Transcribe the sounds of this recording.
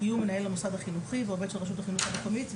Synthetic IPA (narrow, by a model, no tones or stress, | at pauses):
ijumenae̞lːamosad̪aχinuχiveoved̪ʃelʁaʃ̬ut̪aχinuχabekomit